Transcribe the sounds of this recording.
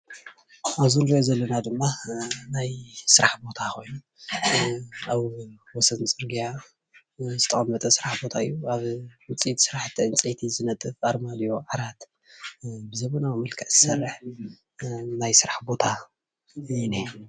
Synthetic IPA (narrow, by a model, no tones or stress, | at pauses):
ʔaβzunɾiozɐlːɐnad̪ɨmːanajsɨɾaħbo̞t̪ʰakʰo̞jnu | aβwɔsɐnt͡sʼɨɾɡija | zɨt̪ʰɐχʼɐmːɐt̪ʼɐsɨɾaħbo̞t̪ʰaɨjːuaβɨnt͡sʼit̪ʰsɨɾaħt̪ʰːiɨnt͡sʼit̪ʰizɨnɐt̪ʼːɨfaɾmad̪ijo̞ʕaɾat̪ | bɨzɐβɐnawmɨlkʰɐʔzɨsɐrːɨħ | najsɨɾaħbo̞t̪ʰa | jine